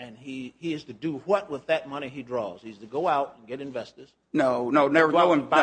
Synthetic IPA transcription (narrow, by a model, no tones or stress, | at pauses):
ɨ̃niiɨz̥tɨdɨwʌt̚wəðɨt̚mʌñiidɹɔ̰z̥hiɨz̥tʰɨɡoʊaʊɾɨ̃nɡɛɾɨ̃ɱvɛstɨz̥ | noʊnoʊnɛvə˞oɪ̃m